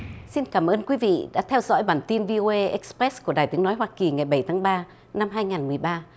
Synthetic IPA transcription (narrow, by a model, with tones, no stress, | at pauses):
si˧nkaː˧˩mʔəː˧nkwi˨˦vḭ˧˨ɗa̰ː˧˥t̪ʰɛ˧wzɔ̰˧˥jɓaː˨˩nt̪i˧nvi˧ʔo˧ʔe˧ʔɛ˦˥k̚spɾɛ˦˥sku˧˩əɗaː˨˩jt̪ɨ˨˦əŋnɔ˨˦jɦwaː˧ki˨˩ŋa˨˩jɓə˧˩jt̪ʰaː˨˦ŋɓaː˧ | na˧mɦaː˧jŋaː˨˩nmɨ˨˩əjɓaː˧